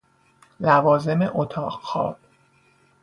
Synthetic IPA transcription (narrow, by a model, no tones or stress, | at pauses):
lævɒːze̞mḛʔot̪ʰɒːɢxɒ̰ːb̥̚